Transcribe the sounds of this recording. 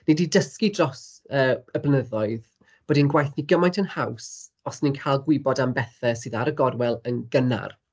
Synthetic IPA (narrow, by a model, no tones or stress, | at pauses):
nɛdidəskidrɔs | əːəblənəðɔɨð | b̥ɔːdinɡwajθniɡəmajntʰənhaws | ɔsninkʰajlˠɡwɪbɔdambɛθɛsɨðaɾəɡɔrwɛlˠənɡəna̰r